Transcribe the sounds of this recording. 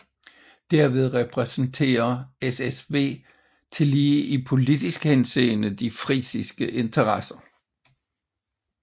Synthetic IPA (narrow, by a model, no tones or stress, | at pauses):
d̥æɐʋe̝ð̞ˠʁɛpʰʁɛsn̩t͡sʰe̝̰ːɐesesʋe̝̰ː | t͡sʰe̝liːʔipʰo̝lid̥isɡ̥hense̝̰ːnəd̥ifʁiːsisɡ̥əʔe̝nt͡sʰɐʁɑsɐ